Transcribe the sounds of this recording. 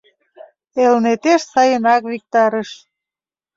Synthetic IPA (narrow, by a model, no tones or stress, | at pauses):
elnet̪eʃsɑjənɑkβik̚t̪ɑɾəʃ